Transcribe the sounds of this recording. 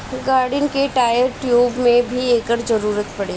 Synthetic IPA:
ɡaːɾɖɪnkeʈaːjəɾʈjuːbmẽbʱieːkəɾd͡ʒɐɾuːɾət̪pɐɽeː

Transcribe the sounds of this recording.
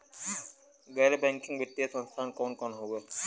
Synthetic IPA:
ɡɛːɾebɛ̃ŋkɪ̃ŋɡbiʈ̪ːiesə̃nst̪ʰaːnkɔːnkɔːnɦoːɡe

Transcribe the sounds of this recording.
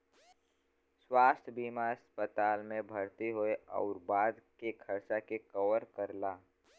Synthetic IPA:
swaːst̪ʰəbiːmaəspət̪aːlmẽbʱɐɽt̪eɦoeɔ̰ːɾbaːd̪kekʰəɾsakekəʋəɾkəɾlaː

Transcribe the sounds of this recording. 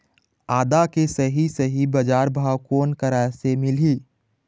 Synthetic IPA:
aːd̪akesəɦisəɦibəd͡ʒaːɾbʱaːwkoːnkəɾasemɪli

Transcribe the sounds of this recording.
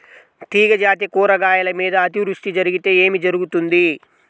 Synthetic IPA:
t̪iːɡɐd͡ʒaːt̪̬ikuːɾɐɡaːjɐlɐmiːd̪ɐːt̪iʋɾuʂʈ̪id͡ʒɐɾiɡit̪e̞ːeːmid͡ʒɐɾuɡut̪und̪i

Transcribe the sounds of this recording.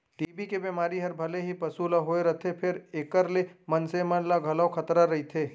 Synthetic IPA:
ɖiːbikebiːmaːɾiɦɐɾbʱɐleɦipɐsulaɦoːeɾɐt̪ʰepʰɪɾeːkəɾlemɐnsemənlaɡʱɐlaokʰɐt̪ɾaɾɐɦit̪ʰeː

